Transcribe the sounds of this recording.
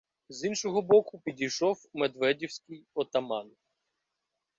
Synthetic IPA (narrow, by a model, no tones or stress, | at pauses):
zinʃɔɦɔbɔkʊpʲidʲijʃɔwmed̪ʋɛdʲiwsʲkɪjɔt̪ɐmɑn